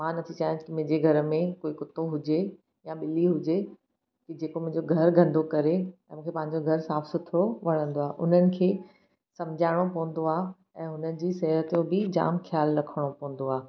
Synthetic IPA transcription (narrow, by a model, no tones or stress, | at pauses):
mãnɐt̪ʰit͡ɕãːd͡ʑkɪm̃ːɲd͡ʑeɡʱɐɾmẽkoːikʊt̪oɦʊd͡ʑe | jãɓɪliɦʊd͡ʑe | kid͡ʑeːkomʊ̃ɦɪ̃ɲd͡ʑoɡʱɐɾɡʱɐ̃nd̪ʱokɐɾeɛ̃mũːkʰepɐ̃ɦɪ̃ɲd͡ʑoɡʱɐɾsaːfsʊt̪ʰoʋɐɽ̤̃ə̃nd̪oaːʔʊn̤ənɪ̆kʰeː | sɐ̃md͡ʑʱaːɪɽ̃opɐ̃ɦʊ̃n̆d̪oaː | ɛ̃ːɦʊnənɪ̆d͡ʑiːsɛɦɾət̪ijõbɪd͡ʑa̰ːmxʰjaːlɾɐkʰəɽ̃opɐ̃ɦʊ̃n̆d̪oaː